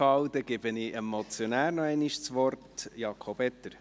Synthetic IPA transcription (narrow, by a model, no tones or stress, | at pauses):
ɑwd̥̪ɛɡ̥ɪb̥əniʔɛmot͡sjonæːɾnɔɛɪniʃt͡sʋɔrtjɑːkʰobɛtːəɾ